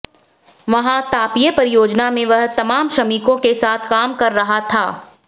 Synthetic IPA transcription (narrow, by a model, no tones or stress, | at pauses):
ʋɐɦãt̪aːpijəpɐɾɪjoːd͡ʒnamẽʋɐɦt̪ɐmaːmʃɐmikõkesaːt̪ʰkaːmkɐɾːɐɦat̪ʰaː